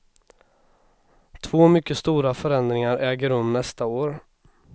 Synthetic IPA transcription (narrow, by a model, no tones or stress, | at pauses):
t̪ʰvoːmʏkːəst̪uːɾafœɾɛnd̪ɾɪŋaɾʔɛːɡəɾɵmnɛst̪aoːɾ